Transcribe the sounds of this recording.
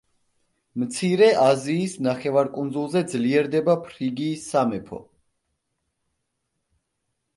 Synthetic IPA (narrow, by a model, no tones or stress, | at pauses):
mt̪sʰiɾɛʔaziːsnaχɛvaɾkʼund̪zulˠzɛd̪zliɛɾd̪ɛbapʰɾiɡiːsamɛpʰɔ̰